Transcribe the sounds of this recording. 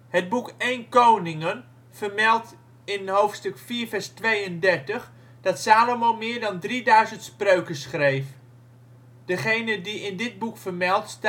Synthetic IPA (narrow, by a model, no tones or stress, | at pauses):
həd̚bukejnkownɪŋən | v̥ərmɛlˠt | ɪnɦowftstɵkfiːɹvɛɹstʋejəndɛɹtəχ | d̥ɑtsaːlomowmɪːɹdɑndridœɥzəntsprøɥkəsχrejf | d̥əχejnədiɪndɪd̚bukfərmɛlˠtst